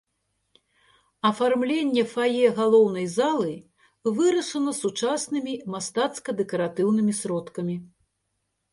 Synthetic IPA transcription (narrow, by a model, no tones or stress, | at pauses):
ɐfarmlʲenʲːɛfajɛɣalˠɔwn̪ɐjzalˠɨ | vɨɾɐʂɐnɐsut͡ʂasnɨmʲimast̪at̪skɐd̪ɛkɐɾat̪ɨwnɨmʲisɾɔt̪kɐmʲi